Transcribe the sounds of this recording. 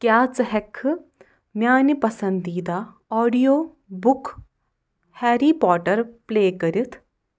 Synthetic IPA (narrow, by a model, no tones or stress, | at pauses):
kjaːt͡sɨɦɛkʰːɨ | mʲjaːnipɐsɐnd̪iːd̪a | ɔːɖijoː | bʊkʰ | hɛːɾipɔːʈɐɾpleːkɐɾit̪ʰ